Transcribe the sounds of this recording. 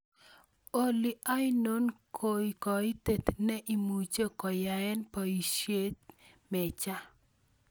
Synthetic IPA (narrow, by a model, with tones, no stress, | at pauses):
o˨li˨ʔa˦jno˦nkʰo˨i˨kɔ˨i˦t̪e˨t̪nɛ˦ʔi˨mu˨t͡ʃo˦kɔ˨ja˨ɛ˦npɔ˨i˨ʃje˦t̪ | mɛ˨t͡ʃa˦